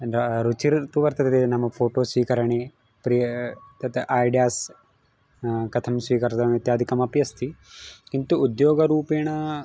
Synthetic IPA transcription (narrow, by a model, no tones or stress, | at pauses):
ɐɾut͡ʃiɾt̪uʋɐɾt̪ɐt̪ɐt̪nɐmːɐpʰoːʈoːsʋiːkɐɾɐɳe | pɾijɐt̪ɐt̪ʔaːjɖijaːs | kɐt̪ʰɐmsʋiːkɐɾt̪ɐʋit̪jaːd̪ʱikɐmɐpjɐst̪ʰikint̪uːd̪joːɡɐɾuːpeːɳɐ